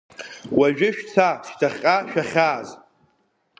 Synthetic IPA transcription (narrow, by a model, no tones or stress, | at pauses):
waʒᶣɪʃᶣt͡sʰaʃtʰaχʲʼaʃᶣaχʲaːz